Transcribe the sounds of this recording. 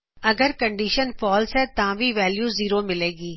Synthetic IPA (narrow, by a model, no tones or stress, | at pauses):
ɐɡəɾkə̃ɳɖiːʃənfɔːlsɦɛt̪ãʋiʋɛːljuːziːɾomɪleːɡiː